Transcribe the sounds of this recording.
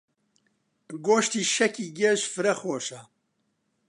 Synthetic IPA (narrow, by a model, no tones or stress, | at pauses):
ɡoːʃt̪iːʃɛkiːɡɛʃfɨɾɐxoːʃɐ